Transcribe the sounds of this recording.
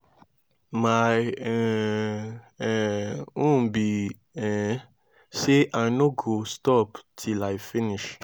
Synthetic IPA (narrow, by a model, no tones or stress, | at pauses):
majɛ | ɛũbi | ɛ | seʔaɪnoɡostɔptʰilajfiniʃ